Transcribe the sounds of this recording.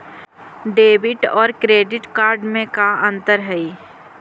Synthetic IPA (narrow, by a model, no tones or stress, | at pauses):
ɖeːbɪʈɔːɾkɾeːɖɪʈkaːɾɖmẽkaə̃nt̪əɾɦɛi